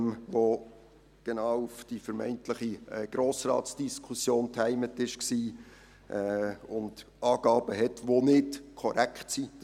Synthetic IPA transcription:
mʋo | ɡ̥enɑːʊufd̥ifəɾmɛ̰ɪntlɪχiɛːɡ̥ɾoːsrɑ̰ːt̪sd̥iskʰusjoːntʰhɛɪmətɪʃksiː | ʔɛʊnd̥ | ɑːɡ̥ɑːb̥əɦɛtʋonɪtkʰɔɾækχtsi

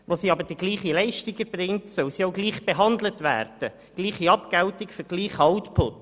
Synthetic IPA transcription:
ʋosiːɑbəɾd̥iɡliːχilɛɪʃtɪɡəɾbrɪŋtsœwsioʊɡliːχb̥eɦɑnd̪lətʋæ̰ːɾd̥ə | ɡ̥liːχiɑpɡ̥ɛltɪkfʏɾɡ̥liːχhɑʊtpʰʊt

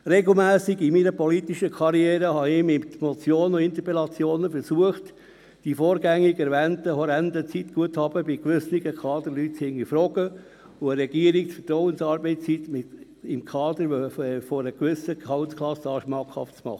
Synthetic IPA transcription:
ɾɛɡl̩ˠmæːsɪɡɪminəpɔlit̪iʃəkʰɑɾiɛːɾəhɑɪmɪtmɔt͡sjoːnoɪnt̪əpɛlɑt͡sjoːnəfəɾsuəχt | d̥ifoːɾɡæŋːiɡɛɾʋɛntəhɔɾɛndət͡sitɡ̥uəthɑb̥əbɪkʋʏsniɡəkʰɑːd̪əɾlyːthɪŋifɾɔɡə | ʊəɾɛɡiəɾik̚t͡sfətɾɔʊənsɑːɾbɛɪt͡st͡sit̪mɪ | ɪmkʰɑːd̪əɾfɔɾəkʋʏsəhɑʊtkʰlɑsɑːʃmɑkhɑ̰ftt͡smɑ̰χə

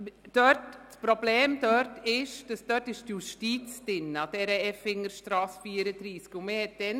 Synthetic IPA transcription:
d̥̪œt | pɾobleːmd̪œɾtɪʃd̥̪əsd̪œtɪʃtjuʃtiːtt͡sd̪̥ɪnɑd̪̥ɛɾəɛfɪŋːəɾʃt̪ɾɑːsfiːɾəd̪ɾiːskʊnmehɛt̪̚d̪̥ɛn

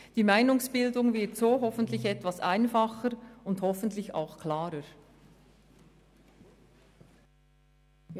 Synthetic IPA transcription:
d̥iːmaɪnʊŋsb̥ɪldʊŋvɪɐtsoːɦɔfən̩tlɪçɛtvasʔa̰ɪnfaχəɾʊndhɔfəntlɪça̰ʊxkʰlaːɾəɾ

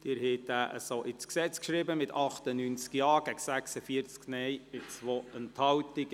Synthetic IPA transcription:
d̥̪ɪɾhɛtæːʔə̰soʔɪt͡sksɛt͡skʃɾɪbəmɪtɑχt̪ənynt͡skjɑːɡ̥æɡsæksəfiəɾt͡sknɛjɪt͡sʋoənthɑwtɪɡ

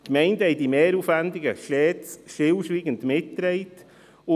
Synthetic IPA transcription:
kmɛɪndəhɛɪdimeːɾuːfʋændɪɡəʃtɛːt͡sʃtɪlʃʋiːɡəndmɪtːɾɛɪt | ʊ

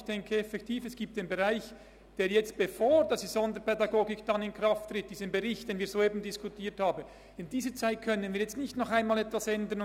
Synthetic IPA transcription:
çd̥ɛŋkʰəɛfɛktʰiːfɛsɡ̥iːp̚td̥eːnbeʁaɪç | d̥eːɾjɛt͡st̚b̥efoːɹd̥asd̥izɔndəɾpʰɛdɑɡoːɡɪkd̥anɪnkraft̪ːrɪt̚d̥iːsənbeʁɪçtd̥eːnviːɾzoːeːbn̩dɪskutʰiːthaːbən | ɪndiːzət͡saɪt̚kʰœnənviːjɛt͡stnɪçtnɔχaɪnmaːlɛtvasɛndən

